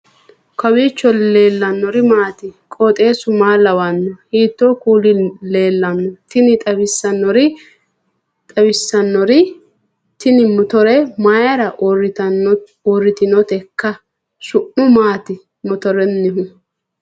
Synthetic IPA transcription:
kʰɐwiːt͡ʃːɔle̞ːlːɐnːɔɾɪmaːt̪ɪkʼɔt̪ʼe̞ːsʊmaːlɐwɐnːɔhiːt̪ːoːkuːlɪle̞ːlːɐnːɔt̪ɪnɪt̪ʼɐbɪsːɐnːɔɾɪ | t̪ʼɐbɪsːɐnːɔɾɪ | t̪ɪnɪmʊt̪ɔɾɛmajɐɾɐ | ɔrːɪt̪ɪnɔt̪ɛkːɐ | ʃʊʔːʊmaːt̪ɪ | mʊt̪ɔɾɛnːɪɦʊ

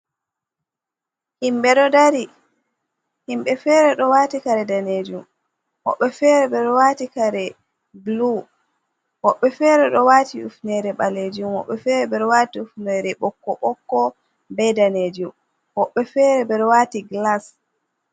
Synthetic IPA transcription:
himɓɛɗɔdaɾi | himɓɛfɛɾɛɗɔwaːtikaɾɛdaned͡ʒum | hɔ̰ɓːɛfɛɾɛbɛɗɔwaːtikaɾɛ | blu | wɔɓːɛfɛɾɛɗɔwaːtiufnɛɾɛɓaled͡ʒumhɔ̰ɓːɛfɛɾɛbɛɗɔwatiufnɛɾɛɓɔkːɔɓɔkːɔ | bɛdaneːd͡ʒum | wɔɓːɛfɛɾɛbɛɾwatiɡlas

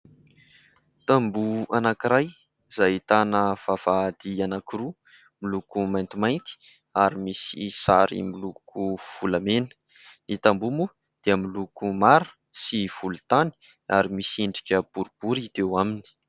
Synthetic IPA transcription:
t̪ambuanakiɾaj | z̥ait̪anəv̥av̥ad̪ianakiru | milukumajnt̪imajnt̪i̥ | aɾimisḭsaɾḭmilukʰuv̥ulamenə̥ | nit̪ambumu | d̪̥eəmilukumaɾə̥ | siv̥ulut̪ani̥ | aɾimisiɳɖ͡ʐi̥kʲəb̥uɾub̥uɾit̪ewamini̥

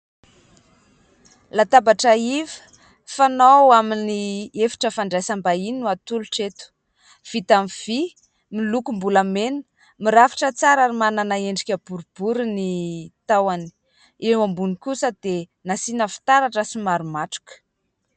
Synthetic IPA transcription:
lat̪abaʈ͡ʂəivə̥ | fanawaminiefi̥ʈ͡ʂəfaɳɖ͡ʐajsambaininuat̪uluʈ͡ʂet̪u̥ | v̥it̪amiv̥i | milukumbulamenə̥ | miɾafi̥ʈ͡ʂət͡saɾaɾimananaeɳɖ͡ʐikʲəb̥uɾub̥uɾunit̪awani̥ | ewambunikusəd̪̥enasinəfi̥t̪aɾaʈ͡ʂəsimaɾumaʈ͡ʂu̥kə̥

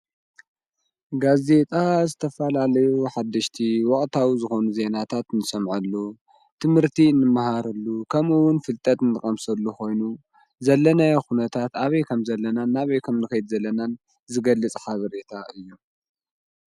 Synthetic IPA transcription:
ɡaze̞t̪ʼazɨt̪ʰɐfɐlalɐjuħad̪ːɨʃt̪ʰiwɔχʼt̪ʰawizɨxo̞nuze̞nat̪ʰat̪ɨnɨsɐmʕɐlːu | t̪ʰɨmhɨɾt̪ʰinːɨmːahaɾɨlːukʰɐmɨwʊnfɨlt̪ʼɐt̪ɨnɨkʼɐmsɐlːuxo̞jnu | zɐlːɐnajaxunɐt̪ʰat̪aβɐjkʰɐmzɐlːɐnanaβɐjkʰɐmnɨkɐjd̪zɐlːɐnan | zɨɡɐlːɨt͡sʼħaβɐɾe̞t̪ʰaɨjːu

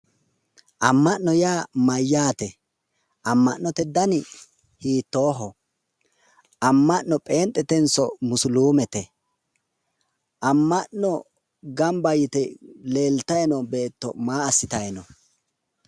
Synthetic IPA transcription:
ʔɐmːɐʔnɔjaːmɐjːaːt̪ɛ | ʔɐmːɐʔnɔt̪ɛd̪ɐnɪ | hiːt̪ːoːɦɔ | ʔɐmːɐʔnɔpʼe̞ːnt̪ʼːɛt̪ɛnsɔmʊsʊluːmɛt̪ɛ | ʔɐmːɐʔɔ | ɡɐmbɐjɪt̪ɛle̞ːlt̪ɐjnɔbe̞ːt̪ːɔ̰maːɐsːɪt̪ɐjnɔ

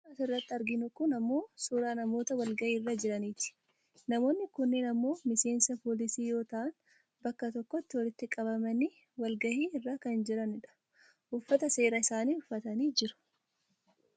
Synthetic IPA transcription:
ɐsɪrːɐt̪ːɪɐɾɡɪnʊkʊnɐmːo̞ːsuːɾaːnɐmo̞ːt̪ɐwɐlɡɐʔiːrːad͡ʒɪɾɐniːt̪ɪ̥ | nɐmo̞ːnːɪkʊnːeːnɐmːo̞ːmɪse̞ːnsɐpoːlɪsiːjo̞ːt̪ɐʔɐn | bɐkːɐt̪ɔkːɔt̪ːɪwɔlɪt̪ːɪkʼɐbɐmɐni | wɐlɡɐhiːɪrːaːkɐnd͡ʒɪɾɐnɪᶑɐ̥ | ʔʊfːɐt̪ɐse̞ːɾɐɪsaːniːʊfːɐt̪ɐniːd͡ʒɪɾʊ̥

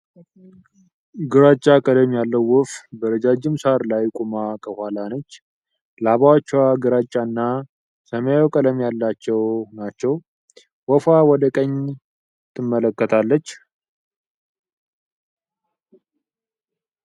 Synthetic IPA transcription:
ɡɨɾat͡ʃʼːakʼəd̪əmjalːəwːɔfbəɾəd͡ʒad͡ʒɪmsaɾlajkʼumakʰəhalanət͡ʃː | laβawt͡ʃːwaɡɨɾat͡ʃʼːanːa | səmjaokʼəd̪əmjalːat͡ʃːɛwnat͡ʃːɛw | wɔfawɔd̪əkʼəɲ | t̪ʰːɨmːələkːət̪ʰalːət͡ʃː

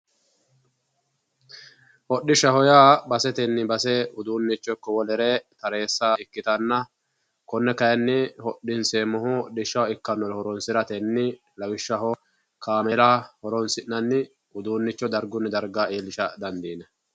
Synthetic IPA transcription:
hɔɗɪʃɐhɔjaːbɐsɛt̪ɛnːɪbɐsɛʊd̪uːnːɪt͡ʃːɔkːɔwɔlɛɾet̪ɐɾe̞ːsːaːɪkːɪt̪ɐnːɐ | kɔnːɛkɐjɐnːɪhɔɗːɪnseːmɔɦɔɗɪʃːɐwɪkːɐnːɔɾhɔɾɔnsɪɾɐt̪ɛnːɪ | lɐwɪʃːɐhɔ | kʰaːmɛlaːhɔɾɔnsɪnːɐnːɪ | ʊd̪uːnːɪt͡ʃːɔd̪ɐɾɡʊnːɪd̪ɐɾɡaːeːlːɪʃɐd̪ɐnd̪iːnɐ

